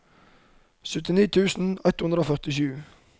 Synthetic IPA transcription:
sʉt̪ɪniːt̪ʰʉːsn̩ɛt̪hʉnɾoːfœʁt̪ɪʃʉː

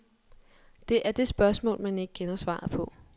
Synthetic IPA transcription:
d̥e̝ʔæɐd̥e̝sb̥ɶɐsmɔ̰ːlmæne̝ɡ̥əkʰenɐsʋɑ̰̈ːðˠpʰɒ̽

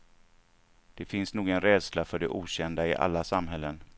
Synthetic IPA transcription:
d̪̥ɛfɪnsnuːɡənɾɛːd̪slafœɖɛʔuːɕɛnd̪aɪʔa̰lːasamɦɛlːən

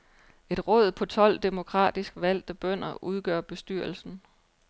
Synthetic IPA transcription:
e̝d̥ʁɔ̽ːð̞̰ˠpʰɒ̽t͡sʰɒ̽l̰d̥e̝mo̝kʰʁɑ̰̈ːd̥isɡ̥ʋæl̰d̥əb̥œn̰ɐʔuð̞ˠɡ̥ɶɐ̰b̥e̝sd̥yɐl̩sn̩

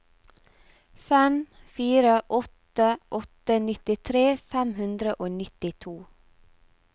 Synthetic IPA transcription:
fɛmfiːɾəʔɔt̪əʔɔt̪ənɪt̪ɪt̪ʰɾeːfæmhʉnd̪ɾəʔoːnɪt̪ɪt̪ʰuː

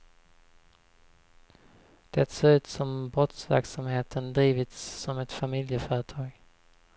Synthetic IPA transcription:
d̪̥ɛt̪soɾʉ̟ːt̪sɔmbɾɔt̪svæ̰ɾksamheːt̪ʰənd̪ɾiːvɪt̪sːɔmɛt̪famɪljəfœːɾət̪ʰɑːɡ

